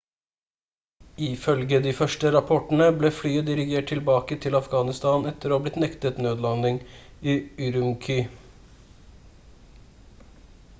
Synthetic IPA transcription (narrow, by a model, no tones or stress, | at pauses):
ɪfœlɡəd̪iːfœʂʈəɾɑpʰɔʈn̩əbleːflyːəd̪ɪɾɪɡeːʈ̚ʰːɪlbɑːkət̪ʰɪlɑfɡɑːnɪst̪ɑːnɛt̪ːəɾoːblɪt̪nɛkt̪ət̪nøːd̪lɑnːɪŋiːʉɾʉmkʰʏ